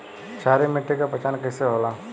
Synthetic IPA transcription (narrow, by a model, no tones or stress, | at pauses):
t͡ʃʰaːɾemɪʈːekapɐt͡ʃaːnkəːseɦoːlaː